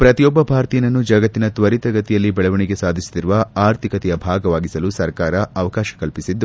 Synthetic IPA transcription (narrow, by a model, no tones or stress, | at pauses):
pɾɐt̪ijɔbːɐbʱaːɾt̪ijɐnɐnːud͡ʒɐɡɐt̪ːinɐt̪ʋɐɾit̪ɐɡɐt̪ːijɐlːibɛɭɐʋɐɳiɡe̞saːd̪ʱisi̥t̪iɾuʋɐaːɾt̪ʰikɐt̪ɛjɐbʱaːɡɐʋaːɡisɐlusɐɾkaːɾɐɐʋɐkaːʃɐ̥kɐlpisid̪ːu